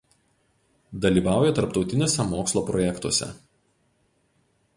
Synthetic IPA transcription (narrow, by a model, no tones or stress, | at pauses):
d̪ɐlʲiːʋɑˑʊjɛt̪ɐɾpt̪ɒʊt̪ʲɪnʲoːsʲɛmoːkslˠoːpɾɔjɛkt̪uɔsʲɛ̰